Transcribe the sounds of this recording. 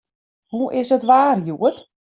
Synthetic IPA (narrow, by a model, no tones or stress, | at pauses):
huʔɪsətʋaːrjuət